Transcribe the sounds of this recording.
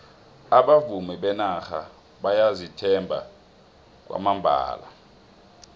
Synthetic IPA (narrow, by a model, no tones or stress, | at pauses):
aɓavumiɓɛnaxa | ɓajazitʰɛmbʱa̰ | k̬ʼwa̰mambʱa̰ːla̰